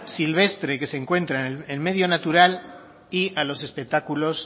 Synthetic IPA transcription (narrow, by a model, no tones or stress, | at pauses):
silβ̞e̞st̪ɾe̞ke̞se̞ŋkwe̞nt̪ɾaelme̞ðjo̞nat̪uɾal | ialo̞se̞spe̞k̚t̪akulo̞s